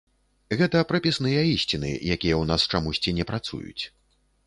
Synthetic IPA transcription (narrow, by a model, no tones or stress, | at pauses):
ɣɛt̪ɐpɾɐpʲisnɨjɐisʲt͡sʲinɨ̰jakʲijɐwnast͡ʂamusʲt͡sʲinʲɛpɾat̪sṵjṵt͡sʲ